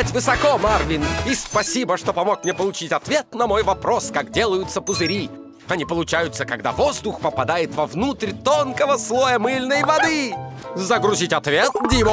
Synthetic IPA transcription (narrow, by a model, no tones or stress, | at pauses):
tʲvɨsɐkomarvʲinispɐsʲibəʂt̪opɐmokmnʲepəlˠʊt͡ɕitʲɐt̪vʲet̪nɐmojvɐpɾoskakdʲelˠəjʊt̪səpʊzɨɾʲi | ɐnʲipəlˠʊt͡ɕæjʊt̪səkɐɡ̚d̪a̰vozd̪ʊxpəpɐd̪ajɪt̪vɐvnut̪rʲt̪onkəvəslˠojəmɨlʲnəjvɐd̪ɨzəɡɾʊzʲitʲɐt̪vʲet̪̚dʲimə